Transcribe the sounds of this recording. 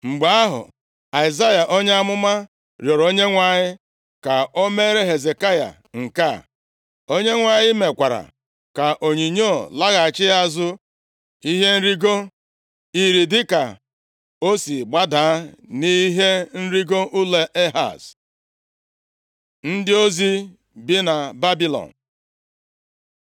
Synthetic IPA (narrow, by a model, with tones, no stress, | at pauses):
ŋ͡m̩˨ɡ͡ba˦a˦ɦʊ̰˨ | a˨ɪ˨za˦ja˨ʔo˦ɲ˦a˦mʊ˦ma˦ | ɾjɔ˨ɾo˦ɲe˦ŋʷa˨ɲɪ˦ | ka˨o˦me˦ɾe˦ɦe˨ze˨ka˦ja̰˨ | ŋ̩˨ka˦˨ | o˦ɲe˦ŋʷa˨ɲɪ˦me˨kʷa˨ɾa̰˨ | ka˨ʔo˨ɲi˨ɲo˦˨la˦ɣa˨a˨t͡ʃɪ˦a˦zʊ˦ | i˦ɦe˦n̩˦ɾi˦ɡo˦ | i˨ɾi˨dɪ˦ka˨ | o˦si˨ɡ͡ba˦da˨˦ni˦ɦe˦n̩˦ɾi˦ɡo˦ʔu˦le˨ʔe˦ɦa̰˨s | n̩˦dɪ˦o˦zi˦ | bi˦na˨ba˦bi˦lɔ̰˨n̩˨